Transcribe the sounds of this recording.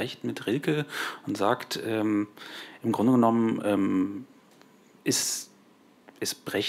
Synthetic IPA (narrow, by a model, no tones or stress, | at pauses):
ɛçtmɪtʁɪlkəʊntz̥aːktʰʔɛːmʔɪmɡʁʊndəɡənɔmənʔɛːm | ʔɛs | ʔɛsb̥ʁɛç